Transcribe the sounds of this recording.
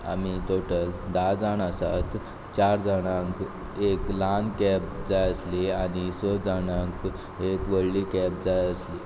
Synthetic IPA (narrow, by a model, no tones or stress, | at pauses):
a̰mit̪oʈəld̪ad͡zaɽ̃asat̪ | t͡ɕaɾd͡zaɽ̃ãŋk | eklankɛp̚d͡zajəsliaɽ̃isɔd͡zaɽ̃ãŋk | ekʋəɭlikɛp̚d͡zajəsli